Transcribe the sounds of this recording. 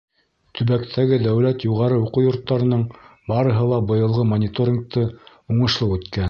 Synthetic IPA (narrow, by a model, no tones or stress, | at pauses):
t̪ʰɵ̆βækt̪ʰæɡɘd̪æwlæt̪juʁɑɾɤuqujŏɾt̪ːɑɾɤ̆nɤɴbɑɾɤ̆ɦɤlˠɑbɤ̆jɤ̆lˠʁɤmonʲɪt̪oɾʲɪnk̚t̪ʰɤ | uɴɤ̆ʃlˠɤwʉt̪kæn